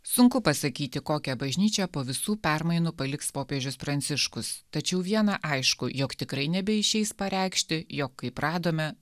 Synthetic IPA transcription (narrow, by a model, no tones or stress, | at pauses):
sʊŋkʊpɐsɐkʲiːt̪ʲɪkoːkʲɛbɐʒʲnʲiːt͡ʃʲɛpoːʋʲɪsuːpʲæɾmɐɪnʊpɐlʲɪkspoːpʲeːʒʲʊspɾɐnʲt̪sʲɪʃkʊst̪ɐt͡ʃʲɛʊʋʲiɛnɑʔɐɪʃkʊjoːkt̪ʲɪkɾɐɪnʲɛbʲɛɪʃʲɛɪspɐɾʲɛˑɪkʃʲt̪ʲɪjoːkːɐɪpɾɑːd̪oːmʲɛ